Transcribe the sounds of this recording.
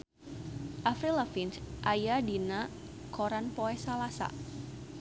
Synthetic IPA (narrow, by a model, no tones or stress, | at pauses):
ʔafɾilafinsʔajadina | koɾanpoɛsalasa̰